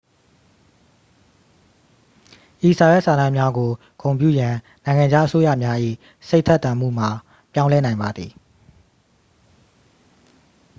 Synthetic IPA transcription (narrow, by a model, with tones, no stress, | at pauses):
ʔi˨sa˨wɛ˦ʔsa˨nã˦˨mja˦ɡo˨ | ɡõ˨ʊ̃mp̬jṵ˦˨jã˨ | nã˨ɪ̃ŋã˨d͡ʑa˦ʔə˦so˦jä̰˦˨mja˦ʔḭ˦˨ | se˦ɪʔtʰɛ˦ʔt̪ːã˨m̥ṵ˦˨m̥a˨ | pjã˦ʊ̃lɛ˦nã˨ɪ̃mba˨d̪ði˨